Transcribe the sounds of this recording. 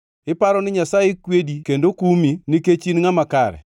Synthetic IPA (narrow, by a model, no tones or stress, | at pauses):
ɪpaɾɔnɪɲasajekwedikendokuminiket͡ʃinŋamakaɾɛ̰